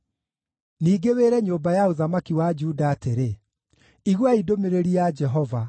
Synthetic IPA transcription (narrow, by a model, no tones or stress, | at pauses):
niːɡeweɾɛɲoːmbajaoðamakiwad͡ʒuːdaːteɾe | iɣwaidomeɾeɾiad͡ʒɛɦɔva